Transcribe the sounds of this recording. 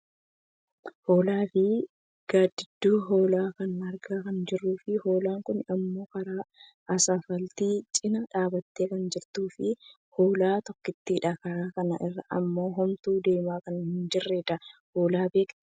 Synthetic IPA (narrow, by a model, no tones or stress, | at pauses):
ho̞ːlaːfɪ | ɡ̥aːd̪ɪd̪ːuːɦo̞ːlaːkɐnɐɾɡaːkɐnd͡ʒɪrːuːfɪho̞ːlaːŋkʊnɐmːo̞ːkɐɾaː | ʔɐsaːfɐlt̪iːt͡ʃʼɪnɐᶑaːbɐt̪ːeːkɐnd͡ʒɪɾt̪uːfɪ | hoːlaːt̪ɔkːɪt̪ːiːᶑaːkɐɾaːkɐnɐʔɪrːɐʔɐ̰mːo̞ːɦɔmt̪uːd̪e̞ːmaːkɐnhɪnd͡ʒɪrːed̪ɐho̞ːlaːbeːkt̪